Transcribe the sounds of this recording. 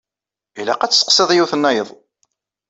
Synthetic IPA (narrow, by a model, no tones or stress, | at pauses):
ilæ̰qæt͡sːsqsəðˤjuθənːæjəðˤ